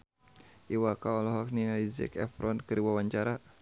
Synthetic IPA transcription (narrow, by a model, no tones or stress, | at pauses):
ʔiwakaɔlɔɦɔk̚ninalizɛ̰kɛ̰fɾɔnkɨɾiwawaɲt͡ʃaɾa